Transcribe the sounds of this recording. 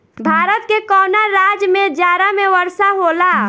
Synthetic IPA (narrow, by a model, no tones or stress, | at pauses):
bʱaɾət̪kekɔːnaɾad͡ʒmed͡ʒjaɾameʋəɾsaɦola